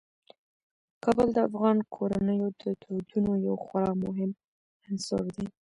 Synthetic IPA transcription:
kɑbəld̪əa̰fɣɑnkʰoɾanəjod̪ət̪ʰod̪unojawxaɾɑmʊɦɪm | ansɑ̰ɾd̪e

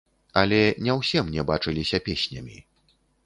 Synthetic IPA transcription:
ɐlʲɛnʲɛwsʲɛmnʲɛbat͡ʂɨlʲisʲɐpʲesʲnʲɐ̰mʲḭ

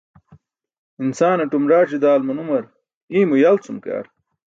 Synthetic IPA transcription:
insaːnɐʈumɾaːt͡ɕid̪aːlmunumɐɾ | iːmujalt͡sumka̰ːɾ

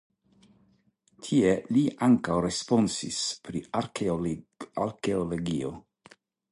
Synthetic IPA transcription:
tʰieliʔaŋkawɾespo̞nsḭspɾiaɾ | aɾkeoloɡio̰

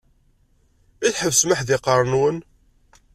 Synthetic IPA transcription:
iθħəvsməħðɪqəɾˤnwən

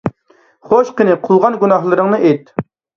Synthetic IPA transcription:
χoʃqənɨqʰʊlˠʁɑnɡunɑɦlˠɨɾɨŋnɨʔet̪

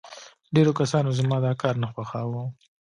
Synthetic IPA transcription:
ɖeɾokasɑnozamɑd̪ɑkɑɾnaxwaxɑwu

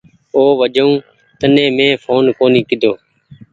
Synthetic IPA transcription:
oːʋəd͡ʒəũː | t̪ənẽːmẽːfʰoːnkoːniːkɪd̪ʱoː

